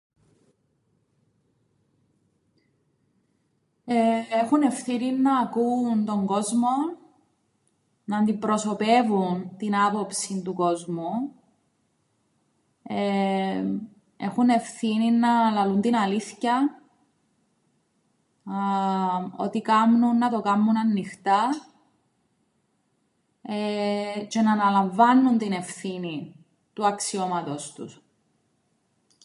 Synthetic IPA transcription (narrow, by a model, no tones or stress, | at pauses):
eexune̞fθininːɐːkuːnt̪o̞ŋɡo̞zmo̞ | nɐnd̪ipɾo̞so̞pe̞vunt̪inɐpo̞psint̪uko̞zmu | e | e̞̰xune̞fθininːɐlɐlunt̪inɐliθçɐ | o̞̰t̪ikɐmnunːɐt̪o̞kɐmːunɐnːixt̪ɐ | et͡ʃe̞nɐːnɐlɐɱvɐnːunt̪ine̞fθini | t̪uɐksio̞mɐt̪o̞st̪ṵs